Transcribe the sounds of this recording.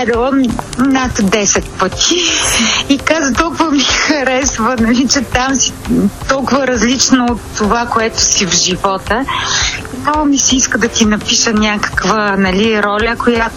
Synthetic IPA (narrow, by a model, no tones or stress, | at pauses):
ɛd̪ɛlˠəmnat̪d̪ɛsɛt̪̚pət̪i | ikazət̪ɔlˠkʊvɐmixɐɾɛsvənɐlit͡ʃɛt̪amsi̥t̪ɔlˠkʊvəɾɐzlit͡ʃnoːt̪ːovakoɛt̪ʊsivʒivɔt̪ə | it̪amisɛiskəd̪ɐt̪inɐpiʃənʲakə̥kvənɐliɾɔlʲəkojat̪